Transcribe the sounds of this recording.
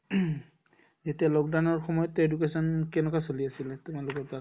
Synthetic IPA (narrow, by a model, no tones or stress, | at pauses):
zetialɔk̚dawnɔɹxɔmɔjɔtːedukesɔnkɛnɛkasoliasilɛtumalʊkɔɹta